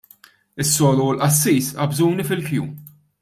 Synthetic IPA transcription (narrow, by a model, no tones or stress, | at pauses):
ɪsːɔːlulʔɐsːiːsɐbzuːnifɪlkjuːm